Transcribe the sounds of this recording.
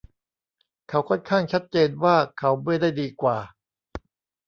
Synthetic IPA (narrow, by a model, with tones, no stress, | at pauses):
kʰa˦˥wkʰɔ˥˩nkʰaː˥˩ŋt͡ɕʰa˦˥t̪̚t͡ɕeː˧nwaː˥˩kʰa˦˥wmɯ˥˩˨jda˥˩jdiː˧kwaː˨˩